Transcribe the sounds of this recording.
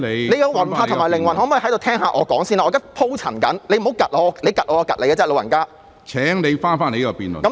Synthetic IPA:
e˨˧le˨˧jkɐ˧wɐ˨˩nfaː˧t̪ʰŋmː˨˩jlɪ˨˩ŋwɐ˨˩nhɔː˨˥mɔː˨˧jhɐ˨˥jt̪o˧tʰɛː˥ŋha̰ː˧ʔɔː˨˧kɔː˨˥ŋsi˥˧naː˧ɔː˨˧k̪ɐ˥pʰo˥wt͡sʰɐ˨˩nkɐ˨˥nle˨˧jm̩˨˩hwkɐ˨t̚lɔː˨˧ɔ˧le˨˧jkɐ˨t̚ʔɔː˨˧ɔː˧kɐ˨le˨˧jkːɛː˥lo˨˧wjɐ˨˩nkaː˥ | t͡sʰɛː˨˥ŋne˨˧jfaː˥nfaː˥ne˨˧jkːɔ˧piː˨nl̰kɐ˨˦mn

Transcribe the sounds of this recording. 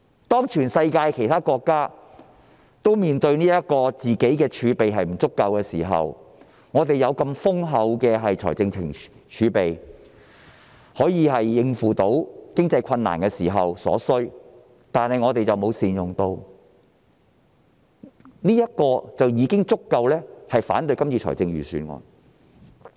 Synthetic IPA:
t̪ɔː˥ŋt͡ʃʰyː˨˩nsɐ˧jkaː˧jkʰe˨˩jt̪ʰaː˥kɔː˧kːaː˥ | t̪o˥wmiː˨˩nt̪ɵ˧ɥniː˥jɐ˥t̚kɔː˧t͡siː˨˩ke˨˥jkɛː˧t͡ʃʰyː˨˧pe˨jɦɐ˨jm̩˨˩t͡sʊ˥kːɐ˧wkɛː˧siː˨˩ɦɐ̰˨w | ŋɔː˨˧t̪e˨jɐ˨˧wkɐ˧mfʊ˥ŋɦɐ˨˥wkɛː˧ɦɐ˨jt͡sʰɔ̰ː˨˩jt͡sɪ˧ŋt͡sʰɪ˨˩ŋ | t͡ʃʰyː˨˧pe˨j | hɔː˨˥jiː˨˧ɦɐ˨jːɪ˧ŋfuː˨t̪o˨˥wkɪ˥ŋt͡sɐ˧jkʰɐ˧nːa̰ː˨˩nkɛː˧siː˨˩ɦɐ˨wsɔ̰ː˨˥sɵ˥ | t̪aː˨nhɐ˨jŋɔː˨˧t̪e˨jt͡sɐ˨wmo˨˧wsiː˨njʊ˨˩ŋt̪o˧w | niː˥jɐ˥t̚kɔː˧t͡sɐ˨wjiː˨˧kɪ˥ŋt͡sʊ˥kːɐ˧wlɛː˥hɐ˨jfa̰ː˨˥nt̪ɵ˧ɥkɐ˥mt͡sʰiː˧t͡ʃʰɔ̰˨˩jt͡sɪ˧ŋɥyː˨˩syː˨˧nŋɔ̰ː˨˧n

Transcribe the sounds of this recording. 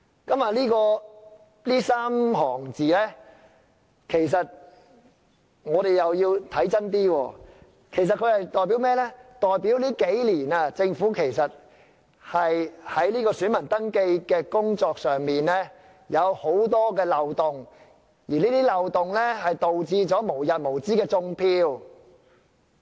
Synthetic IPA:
kɐ˨˥mɐ˨liː˥kɔː˧ | liː˥saː˥mɦɔː˨˩ŋt͡siː˨lɛː˥ | kʰe˨˩jsɐ˨t̚ | ŋɔː˨˧ɾe˨˩jjɐ˨wjiː˧wt̪ʰɐ˨˥jt͡sɐ˥nt̪iː˥wɔː˧ | kʰe˨˩js̬ɐ˨t̚kʰɵ˧hɐ˨jt̪ɔː˨jp̬iː˨˥wmɛː˥lɛː˥t̪ɔː˨jpiː˨˥wliː˥ke˨˥jliː˨˩nɐ˧t͡sɪ˧ŋfuː˨˥kʰe˨˩jsɐ˨t̚ | hɐ˨jhɐ˨˥jliː˥kɔː˧syː˨˥nmɐ˨˩nt̪ɐ˥ŋke˧jkɛː˧kʊ˥ŋt͡sɔː˧k̚sœː˨ŋmiː˨nlɛː˥ | jɐ˨˧who˨˥wt̪ɔː˥kɛː˧lɐ˨˧wt̪ʊ˨˩ŋ | jiː˨˩niː˥t̪iː˥lɐ˨wt̪ʊ˨˩ŋlɛː˥ɦɐ˨jt̪o˨wt͡siː˧t͡sɔː˨˥mo˨˩wjɐ˨t̚mo˨˩wt͡siː˥kɛː˧t͡sʊ˧ŋpʰiː˧w

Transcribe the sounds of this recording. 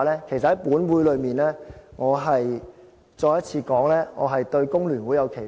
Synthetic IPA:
lɛː˥kʰsɐ˨hɐ˨˥jpuː˨˥nwuː˨˥jlɵ˨˧ɥmiː˨nlɛː˥ŋɔː˨˧ɦɐ˨j | t͡ʃɔː˧jɐ˥t̚t͡sʰiː˧kɔː˨˥ŋlɛː˥ŋɔ̰ː˨˧ɦɐ˨jt̪ɵ˧ɥkʊ˥ŋlyː˨˩nwuː˨˥jɐ˨˧wkʰe˨˩

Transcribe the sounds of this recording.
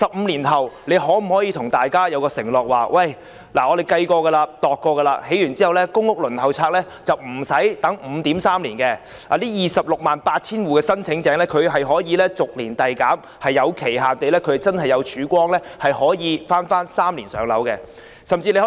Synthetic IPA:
sɐ˨p̚m̩ː˨˧liː˨˩nhɐ˨wle˨˧jɦɔː˨˥m̩˨˩hɔː˨˥jiː˨˧t̪ʰʊ˨˩ŋt̪aː˨jkaː˥jɐ˨˧wkɔː˧sɪ˨˩ŋlɔː˨k̚waː˨˩wɐ˥˩j | laː˨˩ŋɔː˨˧d̪e˨˩jkɐ˧jkɔː˧ɡɛ˧laː˧t̪ɔː˨kːɔː˧ɡɛ˧laː˧he˨˥jyː˨˩nt͡siː˥hɐ˨wlɛː˥kʊ˥ŋʊ˥k̚lɵ˨˩nhɐ˨wt͡sʰaː˧k̚lɛː˥ | t͡sɐ˨wm̩˨˩sɐ˨˥jt̪ɐ˨˥ŋm̩ː˨˧t̪iː˨˥msaː˥mliː˨˩nkɛ˧ | laː˨liː˥jiː˨sɐ˨p̚lʊ˨k̚maː˨npaː˧t̚t͡sʰiː˥nwuː˨kɛː˧sɐ˥nt͡sʰɪ˨˥ŋt͡sɛː˨˥ŋlɛː˥kʰɵ˨˧ɥɦɐ˨jɦɔː˨˥jiː˨˧lɛː˥t͡sʊ˨k̚liː˨˩nt̪ɐ˨jkaː˨˥m | hɐ˨jːɐ˨˧wkʰe˨˩jɦaː˨nt̪e˨jlɛː˥kʰɵ˨˧ht͡sɐ˥nhɐ˨jɐ˨˧wt͡ʃʰyː˨˥kʷɔː˥ŋlɛː˥hɐ˨jhɔː˨˥jiː˨˧faː˥nfaː˥nsaː˥mliː˨˩nsœː˨˧˥ŋlɐ̰˨˥wkɛ˧ | sɐ˨˩mt͡siː˧le˧˦

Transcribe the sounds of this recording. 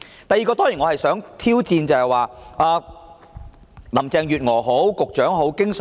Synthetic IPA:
t̪ɐ˨˩jːiː˨kɔː˧t̪ɔː˥ŋjiː˨˩nŋɔː˨˧hɐ˨jsœː˨˥ŋt̪ʰiː˥wt͡siː˧nt͡sɐ˨˧hɛ˨jwaː˨˧aː˧ | lɐ˨˩mt͡sɛː˧ŋjyː˨t̚ŋɔː˨˩ɦo˨˥wkʊ˨k̚t͡ʃœː˨˥ŋɦo˨˥wkɪ˥ŋs

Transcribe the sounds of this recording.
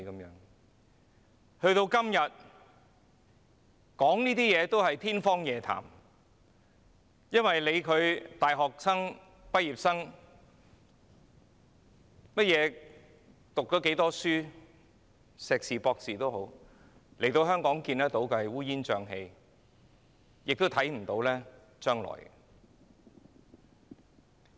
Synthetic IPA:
kɐ˨˦mjœː˨˥ŋ | hɵ˧ɥt̪o˧wkɐ˥mjɐ˨t̚ | kɔː˨˥ŋniː˥t̪iː˥jɛː˨˧t̪o˥whɐ˨jt̪ʰiː˥nfɔː˥ŋjɛː˨t̪ʰa̰ː˨˩m | jɐ˥nwɐ˨jle˨˧jkʰɵ˨˧ɥt̪aː˨jɦɔː˨k̚sɐ˥ŋ | pɐ˥t̚jiː˨p̚sɐ˥ŋ | mɐ˥t̚jɛː˨˧ | t̪ʊ˨k̚t͡ʃɔː˨˥ke˨˥jt̪ɔː˥syː˥ | sɛː˨k̚siː˨˩pɔː˧k̚siː˨t̪o˥wɦo˨˥w | le˨˩jt̪o˧wɦœː˥ŋkɔː˨˥ŋkiː˧nɐ˥t̪o˨˥wkɐ˧˨wuː˥jiː˥nt͡ʃœː˧ŋɦe˧j | jɪ˨k̚t̪o˥wt̪ʰɐ˨˥jm̩˨˩t̪o˨˥wlɛː˥ | t͡ʃœː˥ŋlɔ̰ː˨˩j

